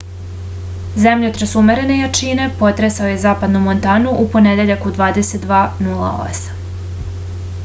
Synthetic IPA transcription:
zemʎet̪ɾasumeɾe̞ne̞jat͡ʃine̞po̞t̪ɾesao̞je̞zaːpad̪numo̞nt̪aːnuʔupo̞ned̪e̞ʎakud̪ʋaːd̪e̞set̪̚d̪ʋaːnulˠa̰o̰sḁm

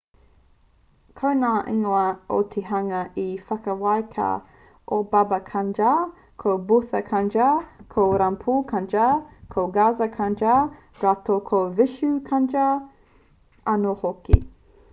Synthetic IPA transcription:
kʰownaːʔiŋoɐo̰t̪ʰeɦɐŋɐʔifɐkɐwajkʰa̰ | ʔobabɐkʰand͡ʒa | kʰowbuθɐkʰand͡ʒakʰoɾampʰuːkʰand͡ʒakʰoɡazɐkʰand͡ʒa | ɾatokʰovɪʃukʰand͡ʒa | ɐnohokḭ

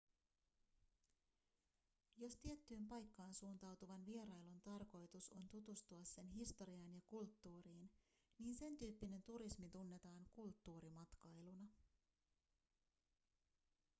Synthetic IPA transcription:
jo̞st̪ie̞t̪ːyːmpɑjkːɑːnsuːnt̪ɑwt̪uʋɑnʋie̞ɾɑjlunt̪ɑrko̞jt̪uso̞nt̪ut̪ust̪uɑsːe̞nɦist̪oɾiɑnjɑkult̪ːuːɾiːn | niːnse̞nt̪yːpːine̞nt̪uɾismit̪unːe̞t̪ɑːŋkult̪ːuːɾimɑt̪kɑjlunɑ

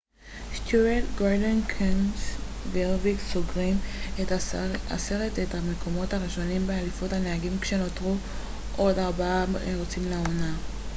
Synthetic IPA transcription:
st̪uetɡoʁdenkʰensveʁvikso̞ɡʁimea̰seʁetethame̞kʰo̞mo̞thaʁiʃo̞nimbealifothaneaɡimkʃe̞no̞tʁu | ʔo̞daʁbaeʁot͡simleona

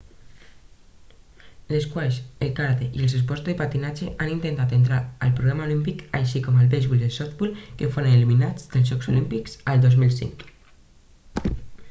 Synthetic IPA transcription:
ləskwaʃəlˠkaɾt̪eʔiəlˠs̬es̬pɔst̪ðepat̪inad͡ʒeʔanint̪ent̪at̪ent̪̬ɾaəlˠpɾuɣɾamaulimpikəjʃikɔməlβezβulˠəsɔt̪bulˠkefoɾəneliminad͡zd̪əlˠzʒɔksolimpikzəlˠd̪ɔzmilˠsḭŋk

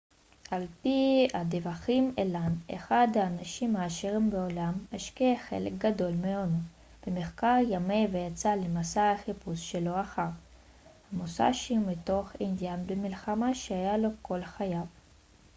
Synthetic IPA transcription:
ʔalpiad̪evaχimelanḛχad̪haːnaʃimhaːʃeʁimbeolamaʃkeχḛlek̚ɡad̪o̞lmeono | b̥emeχkaʁjame̞vejat͡salemasahaχipusʃelo̞aχaʁ | hamosa̰ʃeumit̪o̞χind̪janbemilχamaʃehajalo̞kʰo̞lχajav

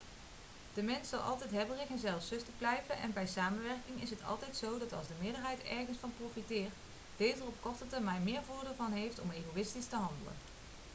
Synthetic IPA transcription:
d̥əmɛnsɑlˠʔɑ̰lˠtɛjtɦɛbərɪɣənzɛlˠfsɵstəblɛjvənʔɛ̰nbɛjsaːmənʋɛrkɪŋɪsɦətɑ̰lˠtɛjtsowdɑtɑ̰lˠzdəmɪːɹdəɹɦɛjtɛ̰ɹχənsfɑnprowfitɪːɹt | d̥ejzərɔp̚kɔɹtətəɹmɛjnmɪːɹvʊːɹdːɹvɑnɦejftɔ̰mejɣowɪstistəɦɑndə̰lə̰n

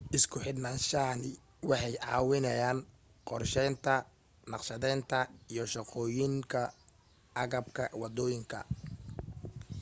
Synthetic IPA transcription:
ʔɪskʰʊħɪd̪naːnʃɐnɪ | wɑħɑjʕɑ̰ːwɪnɛjaːn | qɔrʃɛnt̪ʰɐ | nɑqʃɐðɛːnt̪ʰɐijɞʃɑqɔːjɪŋkʰɐ | ʔɑɣɐb̚kʰɐwɑd̪ɔːjɪŋkʰɐ̰

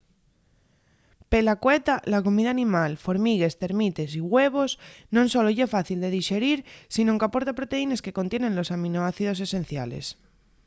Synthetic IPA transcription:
pe̞lakwet̪alako̞miðaːnĩmalfo̞ɾmiɣe̞st̪e̞ɾmit̪esiɣwe̞β̞o̞snõnso̞loʝefaθild̪e̞ðiʃe̞ɾiɾsinoŋkapo̞ɾt̪apɾot̪e̞ine̞ske̞ko̞nt̪jenẽ̞nlo̞samĩnoaθiðo̞se̞sẽ̞nθja̰le̞̰s

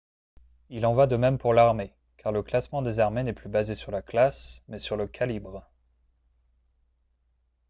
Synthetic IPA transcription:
ilɑ̃vwad̪əmɛmpuʁlaʁme | kaʁləklasmɑ̃d̪ezaʁmenɛplybazesyʁlaklasmɛsyʁləkʰalibʁ

